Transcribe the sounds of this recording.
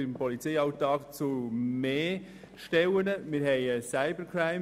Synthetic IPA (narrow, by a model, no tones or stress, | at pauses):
ɪmpɔlit͡seɪɑwtɑːkt͡sumeː | ʃtɛwənəmɪːɾɦɛɪəsaɪbəɾkʰɹaɪ